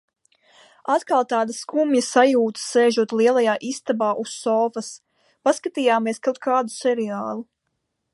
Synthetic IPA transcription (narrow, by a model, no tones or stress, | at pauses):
at̪kalˠt̪aːd̪askumjɐsajuːt̪sɛːʒuɔt̪liɛlˠajaːʔist̪abaːʔusːɔːfɐs | paskat̪iːjaːmiɛskawt̪̚kʰaːd̪usɛɾiaːlˠu